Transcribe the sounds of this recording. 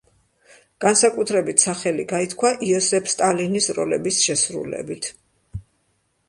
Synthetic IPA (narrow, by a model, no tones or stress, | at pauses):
ɡ̥ansakʼut̪ʰɾɛbit̪ʰsaχɛliɡait̪ʰkʰwaʔiɔsɛpʰst̪ʼalinisɾɔ̰lɛ̰bisʃɛsɾṵlɛ̰bit̪ʰ